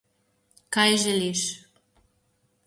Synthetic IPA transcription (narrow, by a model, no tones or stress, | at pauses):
kɑjʒeliʃ